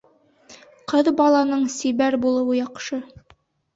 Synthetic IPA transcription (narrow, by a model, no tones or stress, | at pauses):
qɤðbɑlˠɑnɤɴsiβæɾbulˠɤ̆wɤjɑqʃɤ